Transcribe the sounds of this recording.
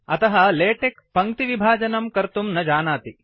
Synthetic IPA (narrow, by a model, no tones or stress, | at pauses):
ɐt̪ɐɦɐleːʈekpɐŋkt̪iʋibʱaːd͡ʒɐnɐmkɐɾt̪umnɐd͡ʒaːnaːt̪i